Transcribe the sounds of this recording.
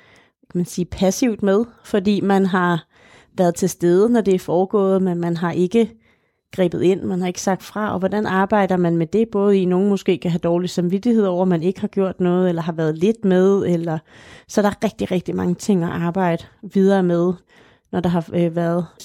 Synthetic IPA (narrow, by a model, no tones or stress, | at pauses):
kʰæmænsiːpʰæsiʊd̥með̞ˠfɒ̽d̥ḭːmænɦɑ̈ | ʋæɐð̞ˠt͡sʰe̝sd̥eːð̞ˠənɒd̥e̝æɐfɒːɡ̥ɔ̰̽ːð̩ˠmenmænɦɑ̈ʔe̝ɡ̥ə | ɡ̥ʁḭːb̥ð̩ˠe̝n̰mænhɑ̈e̝ɡ̥ə̥sɑ̈ɡ̥̚d̥fʁɑ̈ɒ̽ʋɒd̥ænɑ̈ːb̥ɑ̈ɪ̰d̥ɐmænmed̥e̝b̥ɔ̽ːð̞̩ˠino̝ːn̩mɔ̽sɡ̥e̝̰ːkʰæɦæd̥ɒːlisɑ̈mʋid̥ihe̝ð̰ˠɒʊ̰ɐɒmːæne̝ɡ̥əhɑ̈ɡ̥jo̝ɐ̰d̥nɔ̽ːð̩ˠelɐɦɑ̈ʋæːɐð̩ˠle̝d̥meðˠelɐsɒ̽ɾ̥ɑæɐʁɛɡ̥d̥iʁɛɡ̥̚d̥imɑ̈ŋət͡sʰe̝ŋ̰æʔɑ̈ːb̥ɑ̈ɪ̰d̥əʋið̞ˠɐːmeð̞ˠ | nɒd̥ɑ̈ɦɑ̈ʋæːɐð̞̩ˠ